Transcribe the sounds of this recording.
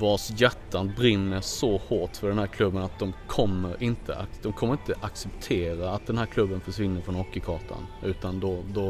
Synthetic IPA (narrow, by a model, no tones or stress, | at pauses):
vɑːsjɛt̪ːanbɾɪnːmɛsɔhoːʈfœɖɛnhæːɾkʰlɵbːənat̪̚d̪ɔmkʰɔmːəɾɪnt̪ʰə̰ʔad̪ɔmkʰɔmːəɾɪnt̪əʔaksɛpt̪ʰeːɾaːt̪̚d̪ɛnhæːɾkʰlɵbːənfɔʂvɪnːəɾfɾɔnɔkːəkʰɑːʈʰa̰nʉ̟ːt̪and̪ɔd̪ɔ